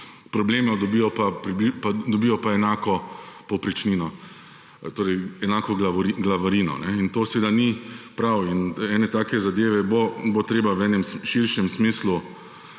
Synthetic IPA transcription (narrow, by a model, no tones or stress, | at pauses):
pɾɔbleːmɛd̪ɔbijɔpapɾibipad̪ɔbijɔpaɛnaːkɔpɔwpɾɛt͡ʃniːnɔ | t̪oːɾɛjɛnaːkɔɡaɾiɡlaʋaɾiːnɔ̰nɛint̪oːsɛʋeːd̪anipɾawinɛːnɛt̪aːkɛzad̪eːʋɛbobot̪ɾeːbawɛːnɛmʃiɾʃɛmsmiːslu